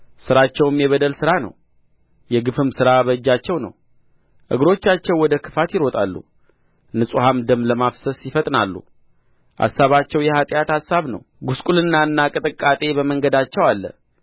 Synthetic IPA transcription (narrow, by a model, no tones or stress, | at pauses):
sɨɾat͡ʃːɛwmjɛβəd̪əlsɨɾanə̰w | jɛɡɨfɨmsɨɾaβəd͡ʒːat͡ʃːɛwnə̰w | ʔɨ̰ɡɾo̞t͡ʃːat͡ʃːɛwːɔd̪əkʰɨ̥fat̪jɪɾo̞t̪ʼa̰lːṵ | nɨsʼuhamd̪əmləmafsəsjɪfət̪ʼnalːṵ | ʔa̰sːaβat͡ʃːɛwjɛhat̪ʼɪjat̪asːaβnə̰w | ɡuskʼulɨnːaɨnːakʼɨt̪ʼɨkʼːat̪ʼe̞bəməŋɡəd̪at͡ʃːɛwalːə̰